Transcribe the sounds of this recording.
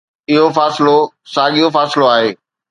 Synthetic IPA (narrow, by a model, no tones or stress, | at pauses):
ɪɦofaːsɪlo | saːɠijofaːsɪloaːɦeː